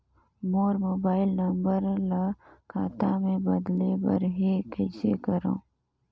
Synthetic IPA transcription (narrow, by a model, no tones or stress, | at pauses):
moːɾmoːbaːɪlnɐmbəɾlakʰaːt̪amẽbɐd̪lebə̰ɾɦekəɪsḛkəɾõ̰ː